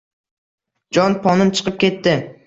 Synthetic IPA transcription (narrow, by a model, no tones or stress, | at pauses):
d͡ʒɒnpʰɒnɪnt͡ʃʰɨ̥qɨp̚kʲʰe̞t̪ːɪ